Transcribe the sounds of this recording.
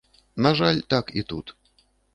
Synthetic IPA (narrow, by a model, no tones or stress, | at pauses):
naʐalʲt̪akit̪ut̪